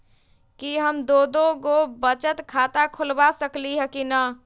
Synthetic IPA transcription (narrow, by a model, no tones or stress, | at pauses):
kiɦəmd̪od̪oɡobət͡ʃət̪kʰat̪akʰʊlbasəkliɦəkinə